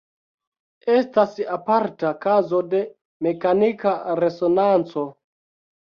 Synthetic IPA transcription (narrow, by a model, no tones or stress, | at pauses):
e̞stasapaɾtakazo̞de̞ | me̞kanikaɾe̞sonant͡so̞